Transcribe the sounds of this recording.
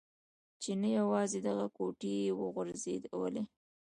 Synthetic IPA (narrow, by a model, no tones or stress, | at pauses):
t͡ʃenajawɑzed̪aɣakoʈiwəɣʊɾzed̪wə̰le